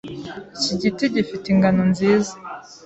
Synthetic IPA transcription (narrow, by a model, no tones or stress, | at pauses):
iciɟitiɟifiteiŋɡanonziːza